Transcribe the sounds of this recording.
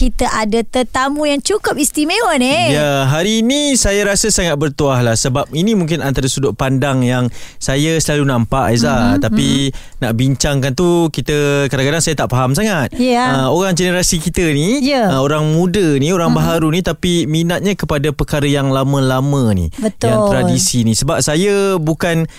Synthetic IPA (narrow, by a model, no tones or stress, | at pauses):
kit̪əʔadat̪ət̪amujaŋt͡ʃukʊp̚ist̪imewanejaɦaɾiːnisajaɾasəsaŋat̪̚bərt̪uahlahsəbap̚inĩmũŋkɪnant̪aɾəsudʊʔpandaŋjaŋsajasəlalunampaʔjəsat̪api | naʔbiɲt͡ʃaŋkant̪ukit̪əkadaŋkadaŋsajat̪aʔfaɦamsaŋat̪̚jəoɾaŋd͡ʒənəɾasikit̪ənijəəoɾaŋmũdənioɾaŋbaɦaɾunit̪apiminat̪̚ɲakəpadapərkaɾəjaŋlamə̃lamə̃nḭbət̪aŋt̪ɾadisinisəbap̚sajabukan